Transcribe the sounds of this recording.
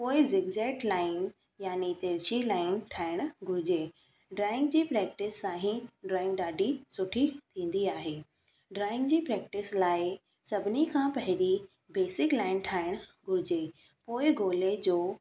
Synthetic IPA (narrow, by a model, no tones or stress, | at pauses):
poːɪzɪɡzeːʈlaːɪn | jaːnit̪eːɾt͡ɕilaːɪnʈʰaːɪɽ̃ɡʱʊɾɪd͡ʑeː | ɖɾaːɪ̃ŋɡd͡ʑiːpɾɛːk̚ʈɪsːãːɦĩɖɾaːɪ̃ŋɡɗaːɖʱisʊʈʰit̪ʰĩːn̆d̪iaːɦeː | ɖɾaːɪ̃ŋɡd͡ʑiːpɾɛːk̚ʈɪslaːɪ | sɐbʱɪnikʰãpɐɦɪɗi | beːsɪklaːɪnʈʰaːɪɽ̃ɡʱʊɾɪd͡ʑeː | poːɪɡoːled͡ʑoː